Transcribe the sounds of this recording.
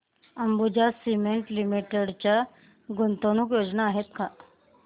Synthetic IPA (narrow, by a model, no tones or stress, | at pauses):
əmbud͡ʑasimeɳʈlimiʈeɽt͡ɕja | ɡont̪onukjod͡znaːɦet̪kʰa